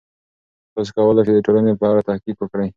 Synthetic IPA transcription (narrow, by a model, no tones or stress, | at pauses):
hos̬kawəlajʃed̪əʈolanepəaɾat̪ahkikwəkɽaj